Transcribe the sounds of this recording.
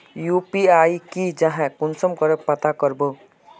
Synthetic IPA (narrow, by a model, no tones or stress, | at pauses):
juːpiaːikid͡ʒɐɦɛ̃kʊnsəmkəɾəpɐt̪akəɾboː